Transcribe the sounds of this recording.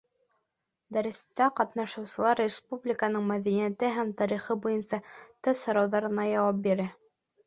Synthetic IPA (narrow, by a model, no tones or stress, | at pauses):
d̪æɾɘ̆st̪æqɑt̪nɑʃɤ̆wsɤ̆lˠɑɾrʲɪspublʲɪkənɤɴmæðænijæt̪ɘɦæmt̪ɑɾiχɤbujɤnsɑt̪ɤðsŏɾɑwðɑɾɤ̆nɑjɑwɑp̚biɾɘ